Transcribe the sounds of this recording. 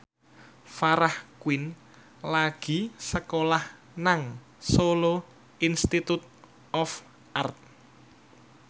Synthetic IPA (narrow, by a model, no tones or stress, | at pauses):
faɾahkwɪn | laɡ̥i̤səkolah | naŋ | solo | inst̪it̪ut̪̚ | ɔf | ʔart̪̚